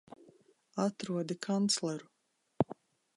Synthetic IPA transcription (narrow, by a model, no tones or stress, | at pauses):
at̪ɾuɔd̪ikʰant̪slˠɛɾu